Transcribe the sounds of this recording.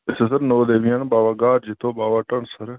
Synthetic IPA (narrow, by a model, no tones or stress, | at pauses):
esesəɾnoːd̪eːʋianbaːʋaːɡaːɾd͡ʒit̪ʰoːbaːʋaːʈəɳsəɾ